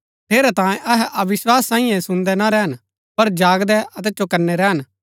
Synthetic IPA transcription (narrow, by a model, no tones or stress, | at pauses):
ʈʰeːɾɛt̪ãːjẽʔɐɦɛʔɐʋɪswaːsːãːɪ̃jɛ̃sʊ̃nd̪ɛnaɾɛɦən | pɐɾd͡ʒaːɡd̪ɛʔɐt̪̬ɛt͡ʃokɐɾnːɛɾɛːɦən